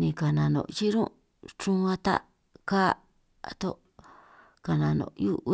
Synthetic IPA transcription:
nĩ˧ka˨nã˨nõ̰˨t͡ʃi˦ɾũ˦ | t͡ʃũ˦ã˧t̪a̰˦ | ka˦˧ | t̪o˦ʔ | ka˨nã˧nõ̰˨ju˦ʔ

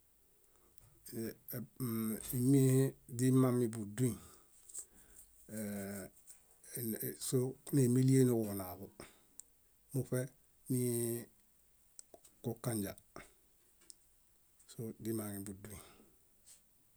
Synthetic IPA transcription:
i˨mi˦hi˦di˦ma˦mi˨bu˨du˦ĩ˨ | sone˨mi˦li˦e˦ni˨ku˨na˨bo˨ | mu˦fe˦ | ni˦ | kokːa˦ɲɟa˨ | sodi˦ma˨ŋi˨bu˨du˦ĩ˨

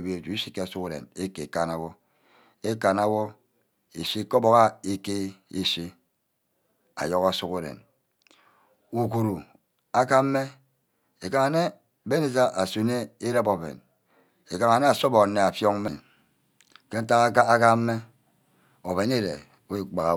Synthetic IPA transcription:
bi˦e˨tu˨i˦si˦ke˦a˨su˦ku˦ɾḛ˨ne˦ke˨e˨ka˨na˨wo˦ | e˦ka˨na˦wo˦ | e˨si˦ko˦bo˦ka˦e˦ke˦e˦si˦ | a̰˨jo˦ka˦su˦ku˦ɾḛ˨n | u˨ku˨ɾu˨ | a˦ka˦m̩˦mːe˦ | e˨ka˨ŋa˨ne˦ | be˦ne˨za˦ʔa˨su˨ne˦e˦ɾa˦bo˨bḛ˨n | e˨ka˨ŋa˨ne˦a˨so˦bo˨˦nːe˨a˨fjo˦ŋ˦me˨n | ke˦n̩˦ta˦ɣa˦ka˦me˦ | o˨βe˨ne˦ɾḛ˨˦ | e˦k͡pa˨ɣa˨

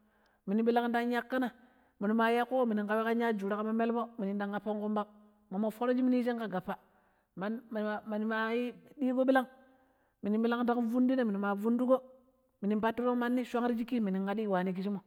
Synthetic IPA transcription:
mi˨ni˨bi˦la˦ŋda˦ŋja˦kːa˦na˨ | mi˨ni˨ma˨ja˦kːo˦o˦mi˨ni˨ŋka˨we˦ka˦ɲa˦d͡ʒu˨ɾa˦ka˦ma˦me˦lbo˦mi˨ni˨nda˨ŋka˨pːa˦ŋku˦mba˦k | ma˨mo˨fo˦ɾo˦d͡ʒi˦mi˦ni˦ʃ̬e˦ŋka˨ɡa˨pːa˨ | ma˨n˨ma˨ni˨ma˨ji˦di˦ɡo˦ɓi˦la˦ŋ | mi˨ni˨bi˦la˦ŋda˦ŋvu˦ndi˦ne˦mi˨ni˨ma˨vu˦ndu˦ɡo˦ | mi˨ni˨ba˦tːi˦bo˦ma˦nːi˦ʃʷa˦ŋɾi˦d͡ʒi˦ki˦mi˨ni˨ŋɡa˨ɗi˦˨wa˨ni˦k̬i˨˦ʃi˦mo˨

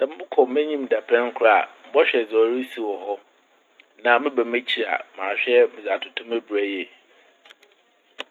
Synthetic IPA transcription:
nã˨mɪ˦bʊ˦kʰɔ˨m˦ɛ̃˦ɲĩ˦m̩˨da˨pʰɛ̃˦ŋ̩˦kʰʊ˦ɾa˦˨a̰˨m̩˦bɔ˦ɕᶣɛ˨d͡zɔ˨ɾi˦si˨wɔ˨ɦɔ˦ | nã˨mɪ̃˦bæ˨me˦t͡ɕʰi˨a̰˨mã̰ː˨ɕᶣɛ˦mɪ̃˨d͡za˨tʰʊ˨tʰʊ̃˦mæ˦bɾæ˨jɛ˦˨

